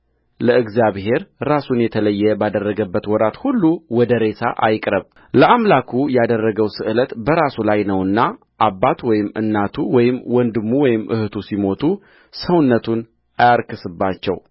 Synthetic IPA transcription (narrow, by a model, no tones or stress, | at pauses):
ləɨɡzijaβɦe̞ɾɾasunjɛt̪ʰələjːɛbad̪ərːəɡəbːət̪wɔɾat̪hulːuwɔd̪əɾe̞sa̰ʔa̰jkʼɾəβ | ləʔamlakʰujad̪ərːəɡəwsɨʔɨlət̪bəɾasulajnəwɨnːa | ʔabːat̪wɔjɪmːɨ̰nːat̪ʰuwɔjɪmwɔnd̪ɨmːuwɔjɪmʔɨ̰hɨt̪ʰusimo̞t̪ʰu | səwnːət̪ʰun | ajaɾkʰɨsɨbːat͡ʃːɛ̰w